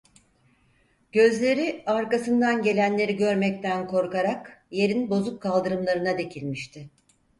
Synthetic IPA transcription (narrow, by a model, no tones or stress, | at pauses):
ɟ̥ø̞zlʲe̞ɾiaɾkasɯnd̪anɟe̞lʲænlʲe̞ɾiɟø̞ɾmɛc̚t̪ʰænkʰo̞ɾkaɾakje̞ɾinbo̞zukkʰːalˠd̪ɯɾɯmlˠaɾɯnad̪e̞cʰilʲmiʃt̪ʰɪ